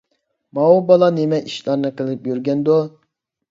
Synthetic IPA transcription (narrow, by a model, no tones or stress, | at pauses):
mɑubɑlˠɑnemɛʔiʃlˠɑɾnɨqɨlˠɨp̚jøɾɡʲɛnd̪o